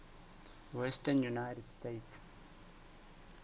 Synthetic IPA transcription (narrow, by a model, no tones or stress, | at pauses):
wɛstanjunajtɛdstets